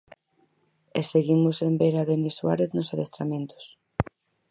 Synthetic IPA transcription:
eseɣimʊsembeɾaðeneswa̰ɾeθnosaðest̪ɾamẽnt̪o̥s

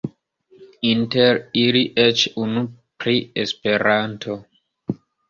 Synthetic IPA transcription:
inteɾiliʔet͡ʃunupɾiespeɾantʰo

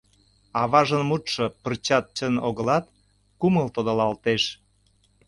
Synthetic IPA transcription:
ɑβɑʒənmut̪ʃɤ̆pərt͡ɕɑt̪̚t͡ɕənoɣə̆lɑt̪̚ | kuməlt̪od̪olɑlt̪eʃ

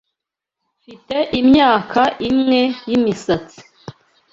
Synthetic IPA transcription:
fite̞ʔimɲaːkʰaʔimŋe̞jimisat͡si̥

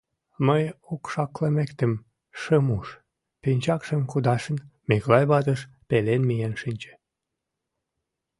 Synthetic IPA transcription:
məjokʃɑklemekt̪ə̆m | ʃəmuʃ | pinʲt͡ɕɑkʃəmkud̪ɑʃənmeklɑjβɑt̪əʃpelenmijenʃinʲt͡ɕĕ̥

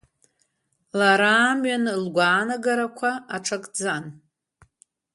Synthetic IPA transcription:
laɾaːmɥanlɡʷaːnaɡaɾakʷʰaaʈ͡ʂʰakʼd͡zan

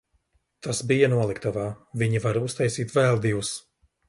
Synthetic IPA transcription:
t̪asbijanuɔlˠikt̪avaːviɲivaɾust̪ajsiːt̪vɛlˠd̪ivus

